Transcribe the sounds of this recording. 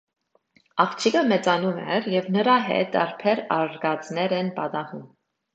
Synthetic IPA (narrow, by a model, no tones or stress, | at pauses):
ɑχt͡ʃʰikəmɛt͡sɑnumɛ̰ɾjɛvnəɾɑɦɛ̰t̪̚ɑ̰ɾpʰɛɾɑɾɡɑt͡snɛɾɛnpɑt̪ɑhum